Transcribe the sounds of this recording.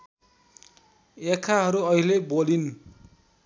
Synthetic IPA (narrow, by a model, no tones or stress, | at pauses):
ekʰaɦʌɾuʌɦilebolin